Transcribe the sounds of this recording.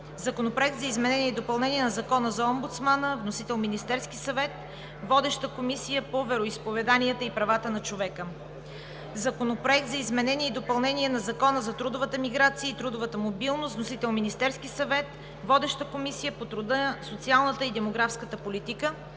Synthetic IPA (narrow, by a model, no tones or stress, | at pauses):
zɐkonopɾoɛk̚t̪zɐizmɛnɛniɛid̪opɐlˠnɛniɛnɐzɐkɔnəzɐɔmbut̪smanəvnosit̪ɛlˠminist̪ɛɾsk̟isɐvɛt̪ | vɔd̪ɛʃt̪əkomisijəpovɛɾoispovɛd̪aniət̪əipɾɐvat̪ənɐt͡ʃovɛkə | zɐkonopɾoɛk̚t̪zɐizmɛnɛniɛid̪opɐlˠnɛniɛnɐzɐkɔnəzɐt̪ɾud̪ʊvət̪əmiɡɾat̪sijəit̪ɾud̪ʊvət̪əmobilˠnost̪nosit̪ɛlˠminist̪ɛɾskisɐvɛt̪ | vɔd̪ɛʃt̪əkomisijəpot̪ɾʊd̪əsot̪sialˠnət̪əid̪ɛmoɡɾafskət̪əpolit̪ikə